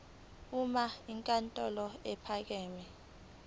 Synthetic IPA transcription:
umaiŋkʼantʼɔlɔɛpʰak̬ɛːmɛ

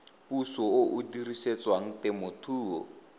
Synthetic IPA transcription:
pusɔoʔudiriset͡swaŋ̩tɛmʊtʰuːɔ̰

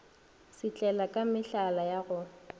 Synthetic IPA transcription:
sɪt͡ɬʼɛlakʼamɪɬalajaɣʊ

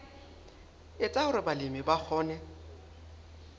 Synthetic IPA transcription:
ɪt͡sʼaʊɾɪbalɪmɪbak͡xʰɔːnɛ

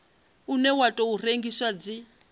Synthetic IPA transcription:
unɛwatʼɔureŋɡiswad͡zi

